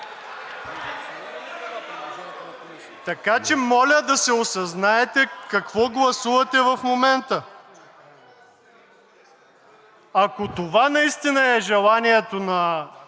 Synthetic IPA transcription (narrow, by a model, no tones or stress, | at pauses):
t̪ɐkat͡ʃɛmɔlʲəd̪ɐsɛosɐznaɛt̪ɛkɐkvɔɡlˠɐsuvɐt̪ɛvɐfmomɛnt̪ə | ɐkot̪ovanɐist̪inəɛʒɛlˠaniɛt̪onɐ